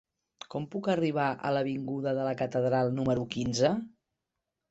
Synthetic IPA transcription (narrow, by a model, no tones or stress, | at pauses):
kɔmpukəriβ̞aʔə̰ləβ̞iŋɡuðəðələkət̪əðɾalˠnuməɾukinzə